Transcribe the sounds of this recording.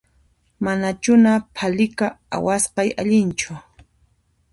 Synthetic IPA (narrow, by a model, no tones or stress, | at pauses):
manat͡ʃʊnapʰalɪkaa̰wasqɑjaʎɪnt͡ʃʊ